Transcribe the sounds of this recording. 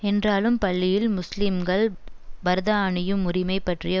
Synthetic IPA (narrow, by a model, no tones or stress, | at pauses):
ɛndraːlɯmpɐɭːɪjɪlmʊslɪmɡɐɭbɐɾðaːɳɪjɯmːʊrɪmɐɪpːɐʈrɪjɐ